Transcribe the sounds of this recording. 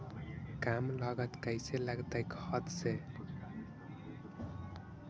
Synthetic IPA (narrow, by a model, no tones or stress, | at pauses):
kamləɡət̪kəjselaɡt̪ajkʌt̪se